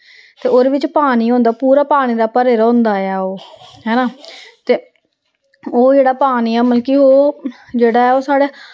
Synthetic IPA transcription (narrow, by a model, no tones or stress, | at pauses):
t̪eːoɾʋɪt͡ʃpaːniːɦõːnd̪aːpuːɾaːpaːɽ̃iːɾaːpəɾeːɾɔ̃ːnd̪aːɛːoːɦɛːnaːt̪eː | oːd͡ʒeːɽaːpaːniːɛːməlkiːoː | d͡ʒeːɽaːɛːoːsaːɽeː